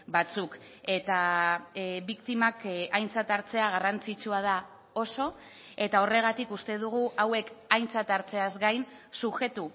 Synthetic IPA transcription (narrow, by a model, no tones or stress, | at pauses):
bat͡suk | e̞t̪a | βikt̪imakajnt͡sat̪aɾt͡se̞aɣ̞arant͡sit͡ʃuað̞a | o̞so̞ | e̞t̪ao̞re̞ɣat̪ikust̪e̞ð̞uɣ̞uʔawe̞kajnt͡sat̪aɾt͡se̞azɡajnsuxe̞t̪u